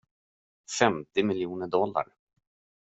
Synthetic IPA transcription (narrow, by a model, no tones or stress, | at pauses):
fɛmt̪ɪmɪljuːnəɖɔlːa̰ɾ